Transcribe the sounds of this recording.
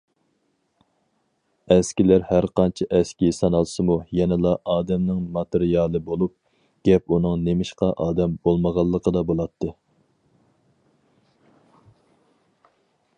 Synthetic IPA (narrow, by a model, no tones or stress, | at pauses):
ɛskʲilæɾhæɾqɑnt͡ʃʰiʔɛskʲisɑnɑlˠsɨmujɛnɨlˠɑʔɑːd̪ɛmnɪŋmɑt̪ʰɪɾijɑlˠɨbolˠup̚ | ɡ̥ʲɛpunɨŋnemɪʃqɑʔɑːd̪ɛmbolˠməʁɑlˠːəqʰəd̪ɑbolˠɑt̪ʰːɨ